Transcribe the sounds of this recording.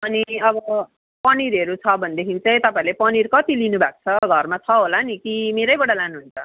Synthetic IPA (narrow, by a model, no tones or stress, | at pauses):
ʌniʌbʌ | pʌniɾʌɾut͡sʰʌbʱʌnd̪ekʰint͡sʌjt̪ʌpãĩlepʌnirkʌt̪ilinubʱak̚t͡sʰʌɡʱʌrmat͡sʰʌɦolanikimeɾʌjbʌɽalanuɦunt͡sʰʌ